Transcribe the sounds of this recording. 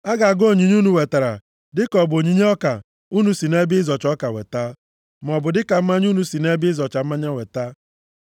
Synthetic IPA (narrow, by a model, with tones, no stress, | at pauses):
a˦ɡa˨a˨ɡo˦˨ɲi˨ɲu˦nu˨we˨ta˨ɾa̰˨ | dɪ˦kɔ˨bo˨ɲi˨ɲe˦ɔ˦ka˨ | u˦nu˦si˨ne˦bɪ˦zɔ˨t͡ʃɔ˦ka˨wḛ˨ta˦ | m˨ɔ˨bʊ˨dɪ˦ka˨m̩˦ma˦ɲ˦u˦nu˦si˨ne˦bɪ˦ɪ˦zɔ˨t͡ʃa˨m̩˦ma˦ɲa˦we˨ta˦